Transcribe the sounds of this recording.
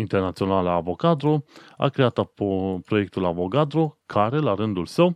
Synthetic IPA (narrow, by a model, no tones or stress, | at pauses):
int̪ernat̪sio̞nalaːvo̞kad̪ɾoa̰kɾe̞at̪apɾo̞je̞k̚t̪ulavo̞ɡad̪ɾokʰaɾe̞laɾɨnd̪ulsəw